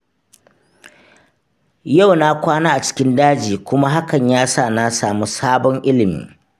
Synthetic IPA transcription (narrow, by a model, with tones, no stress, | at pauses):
ja˦˨wna˦kʷaː˦naː˦ʔa˨t͡ʃɪ̥˦kʲɪ˦ndaː˦d͡ʒiː˨kʷʊ˦ma˦ɦa˦kɐ˨ɲjaː˦sa˦˨na˦saː˨mu˦saː˦bɔ˦ŋʔɪ˦lɪ˨mḭː˦